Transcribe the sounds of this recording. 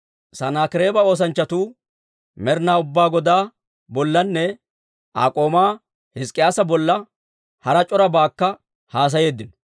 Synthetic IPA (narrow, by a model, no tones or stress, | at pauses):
sɐnaːkɪɾe̞ːbɐo̞ːs̬ɐnt͡ʃːɐt̪uː | mɛɾnaːʊbːaːɡɔd̪aː | bɔlːɐnːɛ | ʔa̰ːkʼo̞ːmaː | hɪskʼːɪjaːsɐbɔlːɐ | hɐɾɐt͡ʃʼɔɾɐbaːkːɐ | haːs̬ɐje̞ːd̪ːɪnɔ